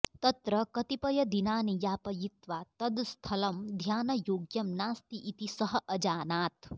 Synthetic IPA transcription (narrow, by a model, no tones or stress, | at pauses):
t̪ɐt̪ɾɐkɐt̪ipɐjɐd̪inaːnijaːpɐjit̪ʋaːt̪ɐd̪st̪ʰɐlɐmd̪ʱjaːnɐjoːɡjɐmnaːst̪iʔit̪isɐɦɐʔɐd͡ʒaːnaːt̪